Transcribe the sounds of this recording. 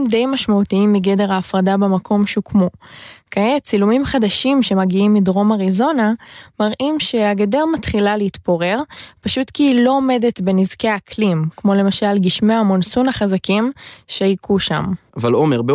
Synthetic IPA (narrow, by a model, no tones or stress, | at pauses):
mde̞jmaʃmautiimːiɡede̞ʁaːfʁadabemakʰo̞mʃuukmukaet͡silumimχadaʃimʃe̞maɡiimidʁo̞maʁizo̞namaʁʔimʃe̞aɡedeʁmatχilaleitpoʁe̞ʁpaʃutkiːlo̞ome̞de̞tbe̞nizke̞akʰlimkmo̞le̞maʃalɡiʃmeamonsunaχazakimʃeajkuʃa̰mavalomeʁbe